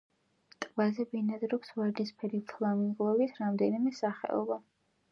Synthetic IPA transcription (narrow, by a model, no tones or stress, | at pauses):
t̪ʼbazɛbinad̪ɾɔksvɛɾd̪ispʰɛɾit̪ʰlˠamiŋɡlˠɔbit̪ʰɾamd̪ɛnimɛsaχɛ̰ɔ̰ba